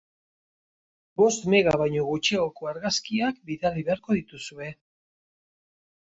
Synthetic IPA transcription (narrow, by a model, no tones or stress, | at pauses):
bo̞st̪me̞ɣaβajɲo̞ɣut͡ʃeoko̞aɾɣaskiakbiðariβe̞aɾko̞ðit̪usue̞